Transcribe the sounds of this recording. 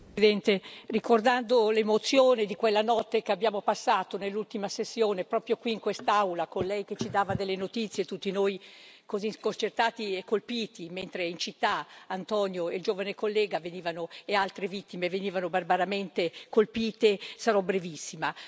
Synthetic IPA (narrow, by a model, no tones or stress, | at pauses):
id̪ɛnt̪erikord̪and̪olemot̪sjoːnid̪ikwelːanɔt̪ːekeabːjaːmopasːaːt̪onelːult̪imasesːjoːnepɾɔːpɾjokwiːŋkwest̪awlakonlɛjk̟et͡ʃid̪aːvad̪ɛlːenot̪it̪sːjet̪ut̪ːinoːjkoziskont͡ʃert̪aːt̪iekːolpiːt̪iment̪ɾeint͡ʃit̪ːaːnt̪ɔnjoeld͡ʒoːvanekolːɛːɡaveniːvanoealt̪ɾevit̪ːimeveniːvanobarbaɾament̪ekolpiːt̪esaɾɔbɾevisːima